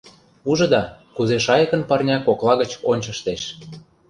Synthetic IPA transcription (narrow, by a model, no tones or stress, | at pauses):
uʒɤ̆d̪ɑkuzeʃɑjəkə̆npɑrnʲɑkoklˠɑɣə̆t͡ɕonʲt͡ɕə̆ʃt̪eʃ